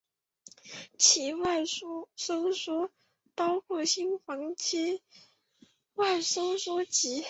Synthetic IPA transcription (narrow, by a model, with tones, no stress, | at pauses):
t͡ɕʰi˧˥wa˥˩ɪ˥so˥ʊʂwɔ˥ | pɑ˥ʊkʰwɔ˥˩ɕi˥nxwɑ˧˥ŋt͡ɕʰi˥ | wa˥˩ɪso˥ʊʂwɔ˥t͡ɕi˧˥